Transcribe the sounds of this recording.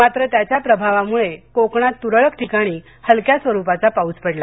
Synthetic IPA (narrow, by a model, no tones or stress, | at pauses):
mat̪ɾət̪jat͡ɕjapɾəbʱaʋamuɭekokɳ̃at̪ːuɾəɭəkʈʰikaɽ̃i | həlkjasʋəɾupat͡sapauːt͡spəɽla